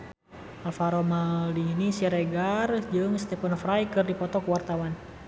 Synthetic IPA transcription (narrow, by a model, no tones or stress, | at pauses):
ʔalfaɾɔmalinisiɾɛɡard͡ʒɨŋst̪ɛfanfɾajkɨrdipɔt̪ɔkəwart̪awan